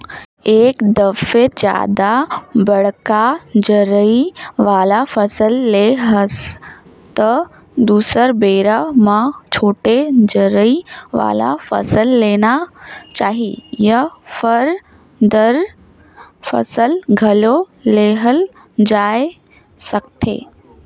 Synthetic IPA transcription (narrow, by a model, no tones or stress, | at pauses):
eːkd̪ɐfed͡ʑja̰ːd̪abɐɽkad͡ʑəɾəiʋaːlafɐsəlːeɦɐs | t̪ɐ | d̪uːsəɾbeːɾamãt͡ɕʰoːʈed͡ʑəɾəiʋa̰ːla̰fɐ̰səlːeːnat͡ɕaːɦijɐfɐɾ | d̪əɾ | fɐ̰səlɡʱɐlo | leːɦəl | d͡ʑaːe | sɐɡt̪ʰḛː